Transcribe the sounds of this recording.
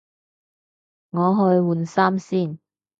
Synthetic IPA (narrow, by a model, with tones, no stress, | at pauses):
ŋɔː˨˧ɦɔː˨˧jwuː˨nsaː˥msiː˥˩n